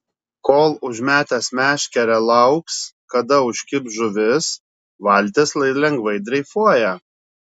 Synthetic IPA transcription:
koːlˠʊʒʲmʲæːt̪ʲɛsmʲæːʃʲkʲɛɾʲɛlˠɐʊkskɐd̪ɐʊʃʲkʲɪpʒʊʋʲɪs | ʋɐˑlʲˑt̪ʲeslˠɐɪlʲɛŋɡʋɐɪd̪ʲɾʲɛɪfuɔjɛ

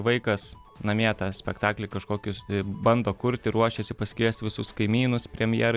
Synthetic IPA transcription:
ʋɐɪkɐs | nɐmʲeːt̪ɑːsʲpʲɛkt̪ɑːklʲɪkɐʃkoːkʲʊbɐnd̪oːkʊɾʲt̪ʲɪɾuɔʃʲɛsʲɪpɐsʲkʲisʲt̪ʲʋʲɪsʊskɐɪmʲiːnʊspʲɾʲɛmʲjɛːɾɐ

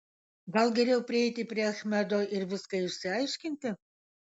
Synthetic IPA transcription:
ɡɐlˠɡʲɛɾʲɛʊpʲɾʲɪɛɪt̪ʲɪpʲɾʲiɛɐxʲmʲæd̪oːʔɪɾʋʲɪskɐɪʃʲsʲɪɐɪʃʲkʲɪnʲt̪ʲɪ

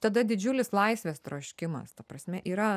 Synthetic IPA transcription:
t̪ɐd̪ɐd̪ʲɪd͡ʒʲʊlʲɪslˠɐɪsʲʋʲeːst̪ɾoːʃʲkʲɪmɐ̰st̪ɐpɾɐsʲmʲɛʔiːɾɐ

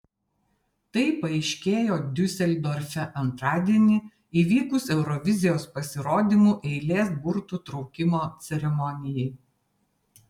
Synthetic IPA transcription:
t̪ɐɪpɐɪʃʲkʲeːjoːd̪ʲʊsʲɛlʲd̪ɔɾʲfʲɛʔɐnt̪ɾɑːd̪ʲiɛnʲɪ | iːʋʲiːkʊsɛʊɾɔʋʲɪzʲɪjoːspɐsʲɪɾoːd̪ʲimuːʔɛɪlʲeːsbʊɾt̪uːt̪ɾɒʊkʲɪmoːt̪sʲɛɾʲɛmɔnʲɪjɛɪ

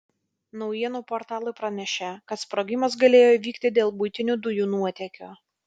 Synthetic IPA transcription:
nɒʊjiɛnuːpoːɾt̪ɑːlˠʊɪpɾɐnʲɛʃʲɛkɐt̪spɾoːɡʲɪmɐsɡɐlʲeːjoːʋʲiːkt̪ʲɪd̪ʲeːlˠbʊɪt̪ʲɪnʲud̪ʊjuːnuɔt̪ʲɛkʲoː

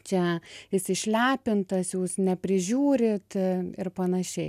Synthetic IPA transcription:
t͡ʃʲɛɪsʲɪʃʲlʲæːpʲɪnt̪ɐsjuːsnʲɛpʲɾʲɪʒʲuːɾʲɪt̪ɪɾpɐnɐʃʲɛɪ

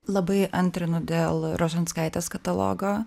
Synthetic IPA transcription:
lˠɐbɐɪʔɐnʲt̪ʲɾʲɪnʊd̪ʲeːlˠɾoːʒʲɛnt̪skɐɪt̪ʲeskɐt̪ɐlˠo̰ːɡoː

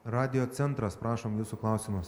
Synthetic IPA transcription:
ɾɑːd̪ʲɪjoːt̪sʲɛnt̪ɾɐspɾɑːʃomjuːsuklˠɑˑʊsʲɪmʊs

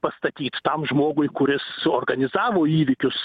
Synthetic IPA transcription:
pɐst̪ɐt̪ʲiːt̪t̪ɐmʒmoːɡʊjkʊɾʲɪsoːrɡɐnʲɪzɑːʋoːiːʋʲɪkʲʊs

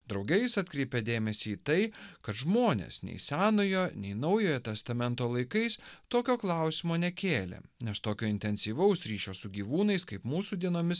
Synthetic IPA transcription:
d̪ɾɒʊɡʲɛjɪsɐt̪ʲkɾʲɛɪpʲed̪ʲeːmʲɛsʲiːt̪ɐɪkɐt̪ʒmoːnʲḛsnʲɛ̰ɪsʲæːnojoːnʲɛɪnɐʊjoːjɛt̪ʲɛst̪ɐmʲɛnt̪oːlˠɐɪkɐɪst̪oːkʲoːklˠɑˑʊsʲimoːnʲɛkʲeːlʲḛnʲɛst̪oːkʲoːɪnʲt̪ʲɛnʲsʲiːʋɐʊsɾʲiːʃʲoːsʊɡʲiːʋuːnɐɪskɐɪpmuːsuːd̪ʲiɛnoːmʲɪs

